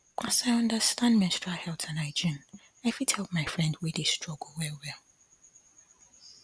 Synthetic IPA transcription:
asaɪʌ̃ndəstãndmɛ̃stɹahɛlˠtʰãnaɪd͡ʒĩn | aɪfidhɛlpmaɪfɹɛ̃ndwɪðistɹ̥ɔɡowɛwɛlˠ

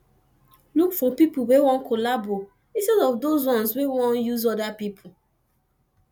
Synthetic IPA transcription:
lukfɔpipowewɔ̃nkʰolabo | ĩnstɛdɔfdozwɔ̃nswewɔ̃njuzɔdapipʰu

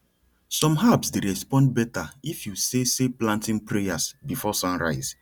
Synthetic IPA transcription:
sɔ̃mɦabsdeɾɛspɔ̃nd̚bɛtaifjuseseplãntĩŋpɹejasbifɔsãnɹa̰ɪz̥

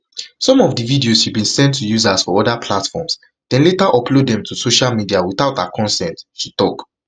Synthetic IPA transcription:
sɔ̃mɔvdəvidioshivbĩnsɛ̃ntʰːujuzasfɔɔdapʰlatfɔ̰ms | d̥ɛ̃nletaʔɔplodɛ̃mtʰusoʃalmidiawiθaʊtakʰɔ̃nsɛ̃tːutɔk

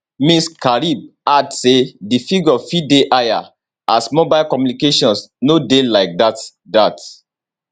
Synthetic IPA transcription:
miskaɹib̚adsedifiɡɔfideʔaja̰ | asmobaɪlkɔmjunikeʃɔ̃nsnodelaɪk̚dat | dat

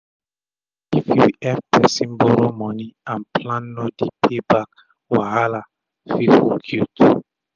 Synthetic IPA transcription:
ifjuɛfpɛsĩnbɔɾomɔniãnplãnːodipʰebak̚ | wahala | fifuɡʰut

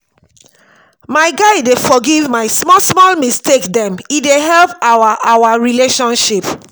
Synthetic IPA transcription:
maɪɡaɪdefɔɡivmaɪsmɔsmɔlmistekdɛ̃mideɦɛlpawaʔawaɹileʃɔ̃nʃip

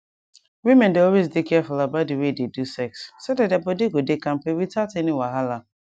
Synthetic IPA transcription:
wimɛ̃ndeɔwezdekʰɛfulabat̚diwededusɛksːodat̚dabɔdiɡodekãm̩pewitʰatenĩwaɦala

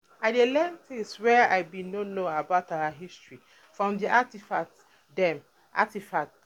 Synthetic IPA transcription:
aɪdelɛ̃ntʰeswɛa̰ɪbĩnonõabaʊtawəɦistɹi | fɹɔ̃mdiʔatifak̚t | dɛ̃m | ʔa̰tifak̚t

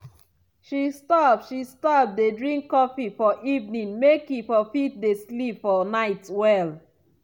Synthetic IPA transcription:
ʃistɔpʃistɔp̚dedɹĩŋkːɔfifɔʔivnĩŋmekifɔfit̚deslipfɔnaɪtwɛl

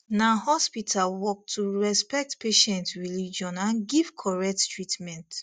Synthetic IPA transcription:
nahɔspitʰalwɔk̚tʰːuɹɛspɛk̚tpeʃɛ̃ntɹilid͡ʒɔ̃nãnɡiv̥kʰɔɹɛk̚ttɹitmɛ̃nt

